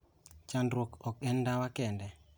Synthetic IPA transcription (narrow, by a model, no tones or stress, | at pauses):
t͡ʃandɾɔkɔk̚ɛndawakɛndɛ